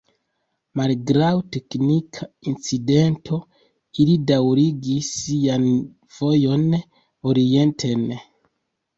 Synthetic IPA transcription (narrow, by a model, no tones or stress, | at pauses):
malɡɾawte̞knikʰaint͡side̞ntʰo̞ | ilidawɾiɡisːian | v̥o̞jo̞n | oɾie̞ntʰe̞n